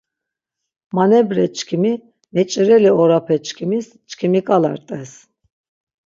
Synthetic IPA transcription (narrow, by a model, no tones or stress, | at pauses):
manɛbɾɛt͡ʃʰʼkʰimi | nɛt͡ʃʼiɾɛliɔɾapʰɛt͡ʃʰʼkʰimis | t͡ʃʼkʰimikʼala̰ɾt̪ʼɛs